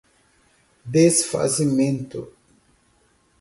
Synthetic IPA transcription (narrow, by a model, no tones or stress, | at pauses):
d̪esfa̰simẽnt̪o̰